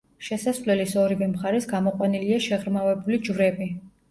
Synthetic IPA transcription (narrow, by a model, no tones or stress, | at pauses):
ʃɛsasvlɛlisɔɾivɛmχaɾɛsɡamɔqʼwaniliaʃɛʁɾmavɛbulid͡ʒvɾɛbi